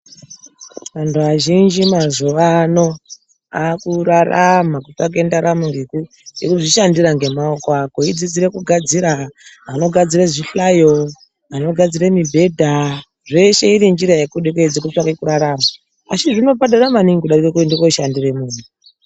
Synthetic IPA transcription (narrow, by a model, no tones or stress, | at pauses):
ʋantʰuʋaʒind͡ʒimazuʋano̞ | akuɾaramakutak̬e̞ndaɾamuŋɡeku | jekuʐiʃandiɾaŋɡe̞maokoako̞id͡zid͡ziɾe̞kuɡʱad͡ziɾaano̞ɡʱad͡ziɾeʐiɬajo | ano̞ɡʱad͡ziɾemibʱe̞dʱa | ʐe̞ʃe̞iɾind͡ʒiɾajekuɗeked͡zek̬utit͡ʃakekuɾaɾama | asiʐino̞badaramaniŋɡikuɗarikekutindikoʃandiremuːnu